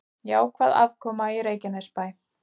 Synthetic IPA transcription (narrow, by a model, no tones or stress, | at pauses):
jaːwkʰvaːða̰vkʰɔːmaiɾeːjcanɛspaːj